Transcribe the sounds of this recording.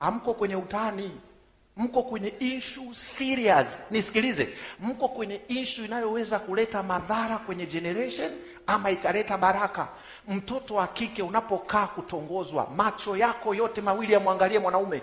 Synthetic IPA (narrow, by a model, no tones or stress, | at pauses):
ham̩kɔkwɛɲɛutani | m̩kɔkwɛɲɛinʃusiɾiaznisi̥kilizɛ̰m̩kɔkwɛɲɛinʃuinajɔwɛzakulɛtamaðaɾakwɛɲɛd͡ʒɛnɛɾɛʃɔn | amaikalɛtaɓaɾaka | m̩tɔtɔwakikɛunapɔkaːkutɔŋɡɔzwa̰mat͡ʃɔjakɔjɔtɛmawilijamuaŋɡaliɛmwanaumɛ